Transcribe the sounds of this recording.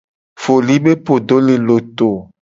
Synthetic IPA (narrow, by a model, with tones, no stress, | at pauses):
fo˨li˨˦be˦po˨do˨˦le˨lo˨t̪o˨